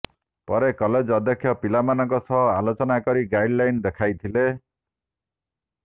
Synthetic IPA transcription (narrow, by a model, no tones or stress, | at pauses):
pɔɾekɔled͡ʒɔd̪ʱjɔkʰjɔpilamanɔŋkɔsɔɦɔalot͡ʃɔnakɔɾiɡajɖlajnd̪ekʰajt̪ʰile